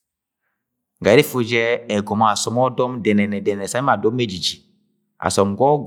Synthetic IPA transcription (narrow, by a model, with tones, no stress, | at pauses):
ŋɡa˨˦i˦fu˦d͡ʒɛ˦ɛ˨ɡɔ˨m˦a˨sɔ˨mɔ˦dɔ˦mdɛ˨nɛ˨nɛ˨dɛ˨nɛ˨ɛ˨sa˦i˦ma˨dɔ˦mːe˦d͡ʒi˨d͡ʒi˨ | a̰˨sɔ˨mɡɔ˦ɡ